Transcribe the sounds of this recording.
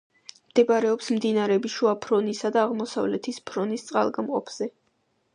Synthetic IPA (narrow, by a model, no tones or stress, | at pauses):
md̪̥ɛbɾɛɔpsmd̪inaɾɛbiʃuapʰɾɔnisad̪aːʁmɔsavlɛt̪ʰispʰɾɔnist̪sʼqʼa̰lˠɡamqʼɔpʰz̥ɛ